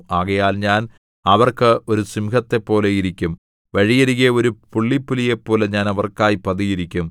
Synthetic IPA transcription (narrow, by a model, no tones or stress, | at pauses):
aːɣɐjaːlɲaːn | ɐʋɐrkɨo̞ɾusimkɐt̪ːe̞pːo̞ːle̞jiɾikʲːum | ʋɐɻijɐɾiɣeo̞ɾupuɭːipːulijepːo̞ːleɲaːnɐʋɐrkaːjipɐðijiɾikʲːum